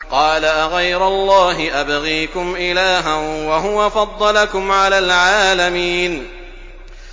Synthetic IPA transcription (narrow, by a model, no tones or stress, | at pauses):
qɑːlaʔaɣajɾʊlˤːɑːɦɪʔabɣiːkʊmʔɪlaːɦanwaɦʊwafɑd̪ˤːɑlakʊmʕalaːlʕaːlamiːn